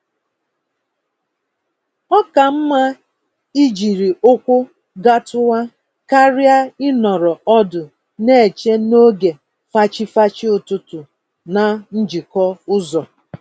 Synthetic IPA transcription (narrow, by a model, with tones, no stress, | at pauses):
ɔ˦ka˨m̩˦ma˦ | i˦d͡ʒi˨ɾi˨ʊ˦kʷʊ˦ | ɡa˦tʊ˦wa˦ | ka˦ɾja˦ɪ˦nɔ˨ɾɔ˨ɔ˦dʊ˨ | ne˦e˨t͡ʃe˦no˦ɡe˨ | fa˦t͡ʃɪ˦fa˦t͡ʃɪ˦ʊ˨tʊ˦tʊ˨ | na˨n̩˦d͡ʒi˨kɔ˦ʊ˦zɔ˨